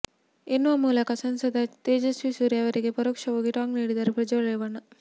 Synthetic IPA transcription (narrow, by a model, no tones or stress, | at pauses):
enːuʋɐmuːlɐkɐsɐnsɐd̪ʱɐt̪eːd͡ʒɐsʋisuːɾjɐʋɐɾiɡepɐɾokʂɐʋoːɡiʈaːŋɡniːɽid̪ɐɾepɾɐd͡ʒɐɭɐjʋɐɳːɐ